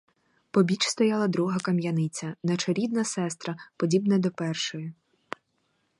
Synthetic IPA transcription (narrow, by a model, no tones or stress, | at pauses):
pɔbʲit͡ʃst̪ɔjɑlˠɐd̪ɾuɦɐkɐmjɐnɪt͡sʲɐnɐt͡ʃɔɾʲid̪nɐsɛst̪ɾɐpɔdʲibnɐd̪ɔpɛrʃɔjʊ